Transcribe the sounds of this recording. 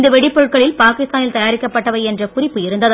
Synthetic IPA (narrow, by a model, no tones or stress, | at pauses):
nd̪ɐʋɛɽɪpːɔɻɯʈ̚kɐɭɪlpaːkɪst̪aːnɪlt̪ɐjaːɾɪkːɐpːɐʈːɐʋɐɪɛndrɐkʊrɪpːɯɪɾɯnd̪ɐðɯ